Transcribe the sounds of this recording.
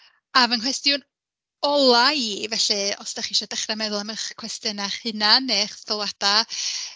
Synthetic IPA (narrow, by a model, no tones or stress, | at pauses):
avənkʰwɛstjʊn | ɔlˠaivɛɬɨɔsd̥aχiʃɔdɛχramɛðʊlˠaməχkʰwɛstənaχɨnaneːχθɔlˠad̥a